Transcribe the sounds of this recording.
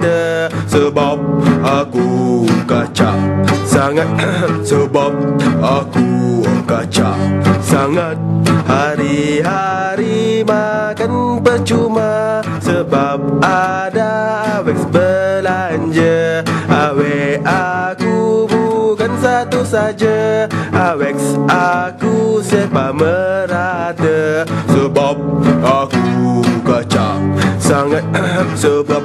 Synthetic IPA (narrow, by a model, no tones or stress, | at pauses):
dəsəbap̚ʔakukat͡ʃa̰ʔsaŋat̪̚səbap̚akukat͡ʃa̰saŋat̪̚haɾiɦaɾimakanpərt͡ʃuma | səbap̚a | daːwɛksbəlaɲd͡ʒəʔawɛakubukansat̪usad͡ʒaʔawɛksʔakusɛhbaməɾadəsəbap̚akukat͡ʃa̰saŋat̪̚səbap̚